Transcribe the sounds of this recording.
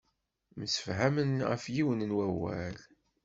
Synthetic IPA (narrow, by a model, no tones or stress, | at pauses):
məsə̥fɦæmənʁə̰fjiwənnwæwæ̰l